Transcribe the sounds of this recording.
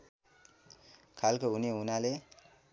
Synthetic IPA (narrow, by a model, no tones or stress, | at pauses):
kʰalkoɦuneunale